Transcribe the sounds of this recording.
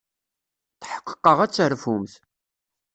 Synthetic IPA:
θħə̥qːə̥qːəʁæt͡sːəɾfumθ

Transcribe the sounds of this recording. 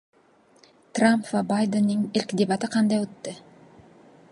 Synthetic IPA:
t̪rampvabajd̪enːɯnelʲkd̪ʲebat̪ɯqʰɑnd̪ɑjot̪ːɯ

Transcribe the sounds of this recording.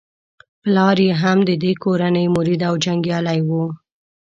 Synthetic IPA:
plɑɾjeɦamd̪əd̪ekoɾanəjmʊɾid̪awd͡ʒaŋɡjɑlajwu

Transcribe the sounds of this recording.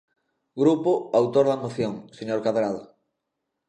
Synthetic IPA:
ɡɾupʊawt̪oɾðamoθjoŋseɲoɾkaβɾaðo

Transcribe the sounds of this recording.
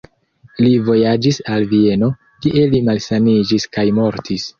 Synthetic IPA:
livo̞jad͡ʒisalvie̞no̞ | kiʔe̞limalsanid͡ʒiskajmo̞ɾtʰis

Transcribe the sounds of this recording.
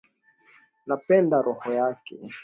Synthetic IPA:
napɛndaɾʔɔhɔjakɛ̰

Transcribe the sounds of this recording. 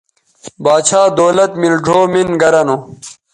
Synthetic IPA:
baːt͡ɕʰaːd̪oːlɐt̪milɖʱoːminɡɐɾɐno

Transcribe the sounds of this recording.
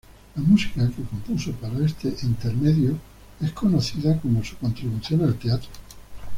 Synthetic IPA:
lamusi̥kake̞kompusopaɾaest̪eʔint̪e̞ɾme̞ðjo | ehko̞no̞θiðako̞mosu̥ko̞nt̪ɾiβuθjonalt̪e̞at̪ɾo

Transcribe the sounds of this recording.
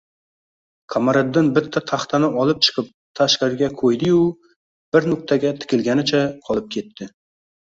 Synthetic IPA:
kʰamaɾad̪ːɪnbɪt̪ʰːat̪ʰaχt̪ʰanɪʔɒlˠɪp̚t͡ʃʰɨ̥qʰɨp̚t̪ʰaʃkaɾɡʲakʰojd̪ɪjʊ | b̥ɪɾnʊk̚ʲt̪ʰaɡʲat̪ʰɪ̥kʲɪlɡʲanɪt͡ʃʰaqʰɒlˠɪp̚kʲʰe̞t̪ʰːɪ

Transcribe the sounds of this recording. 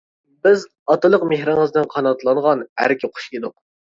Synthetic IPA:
bɪz | ɑt̪ɨlˠəqmehɾɪŋəznɪnqʰɑnɑt̪lˠɑɴʁɑnæ̰ɾkʲʰɪqʰo̥ʃid̪ʊq̚

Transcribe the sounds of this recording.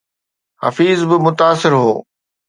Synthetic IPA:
ɦɐ̰fiːzbɪmʊt̪aːsɪɾɦoː

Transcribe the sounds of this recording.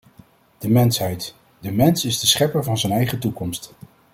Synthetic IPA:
d̥əmɛnsɦɛjt | dəmɛnsɪzdəsχɛpəɹvɑnzənɛjχətukɔmst

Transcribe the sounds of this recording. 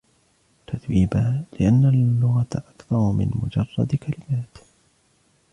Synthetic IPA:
t̪at̪wiːbaːlɪʔanːalːʊɣat̪ʔakθɑɾˤmɪ̰nmʊd͡ʒɑrˤːɑ̰d̪kalɪmaːt̪

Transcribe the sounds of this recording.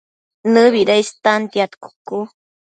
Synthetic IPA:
nɨβiɾajst̪ant̪jat̪ku̥ku

